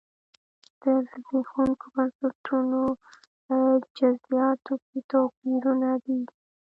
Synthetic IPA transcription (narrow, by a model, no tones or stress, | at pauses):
d̪̥əzbexuŋkobansat̪ʰuno | d͡ʒazijɑt̪oket̪ɑpiɾunad̪i